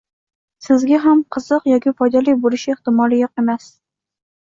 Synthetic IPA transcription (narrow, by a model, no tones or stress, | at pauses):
sɪzɡʲaɦamqʰɨz̥ɨqjɒkʲɪfɒjd̪alɪjbolɪʃɪeht̪ɪmɒlˠɪjoqemas